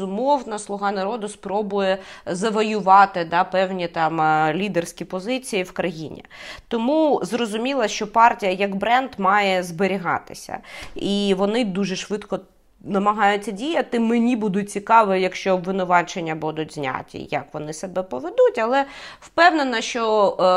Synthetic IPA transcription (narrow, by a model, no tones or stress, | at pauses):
ʊmɔwnɐslˠʊɦɑnɐɾɔd̪ʊspɾɔbʊjɛzɐʋɔjʊʋɑt̪ɪd̪ɑpɛwnʲit̪ɑmlʲid̪ersʲkʲipɔzɪt͡sʲijiwkɾɐjḭnʲḭt̪ɔmuzrɔzʊmʲilˠɐʃt͡ʃɔpɑrtʲijɐjɐɡbɾɛnd̪mɑjɛzbeɾʲiɦɑ̰t̪ɪ̥sʲɐ̰iʋɔnɪd̪uʒɛʃʋɪt̪kɔ | nɐmɐɦɑjʊtʲːɐdʲijɐt̪ɪmenʲibud̪ʊt̚ʲt͡sʲikɑʋɛjɐkʃt͡ʃɔbʋɪnʊʋɑt͡ʃenʲːɐbud̪ʊtʲzʲnʲa̰t̪ʲḭjɐ̰kʋɔnɪsɐbɛpɔʋed̪utʲɐlˠɛwpɛwnenɐʃt͡ʃɔ